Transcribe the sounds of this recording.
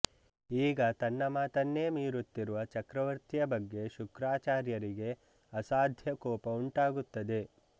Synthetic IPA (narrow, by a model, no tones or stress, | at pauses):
iːɡɐt̪ɐnːɐmaːt̪ɐnːe̞ːmiːɾut̪ːiɾuʋɐt͡ʃɐkɾɐʋɐɾt̪ijɐbɐɡːe̞ʃukɾaːt͡ʃaːɾjɐɾiɡe̞ | ɐsaːd̪ʱjɐkɔːpɐuɳʈaːɡut̪ːɐd̪e̞